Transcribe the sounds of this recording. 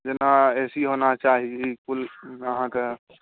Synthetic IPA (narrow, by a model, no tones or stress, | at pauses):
d͡ʒenaeːsiɦonat͡ʃaːɦiikuləɦãke